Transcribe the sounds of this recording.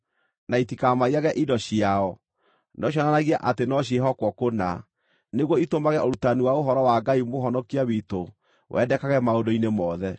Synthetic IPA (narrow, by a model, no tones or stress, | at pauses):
naitikamaiaɣɛʔidɔɕiaɔ | nɔɕ̬ɔnanaɣiaʔatenɔɕ̬ieɦɔkwɔkona̰ | neɣwɔitomaɣɛʔoɾutaniwaoɦɔɾɔwaɡaimoɦɔnɔkiawito | wʔɛ̰dɛkaɣɛmaondoinemɔːðɛ